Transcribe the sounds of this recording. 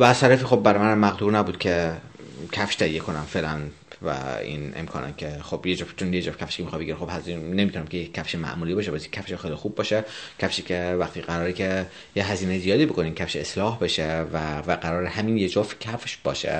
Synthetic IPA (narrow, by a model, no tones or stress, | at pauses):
væːzt̪ʰæɾæfiːxo̞bːæɾmænæmːæɣd̪uːɾnæbuːd̪̥̚kʰe | cʰæfʃt̪ʰæijeko̞næmfeːʔlæn | væ̰ḭnḛmkʰɒ̰ːnæ̰nkʲʰeχobjed͡ʒoft͡ʃʰonjed͡ʒofcæfʃkʰʲemixɑbeɡiɾexo̞bhæznemit̪unæmcʰejecʰːæfʃemæ̰ʔmuːlibɒːʃepæsie̥cʰæfʃexejlixub̚ːɒːʃecʰæfʃiːcʰʲevæxt̪ʰiɡæɾɒːɾecʰe | jeɦæziːnezijɒːd̪iːbo̞kʰoniːmcʰæfʃeeslɒːhbe̞ʃevævæɡæɾɒːɾeɦæminjed͡ʒofcʰæfʃbɒːʃḛ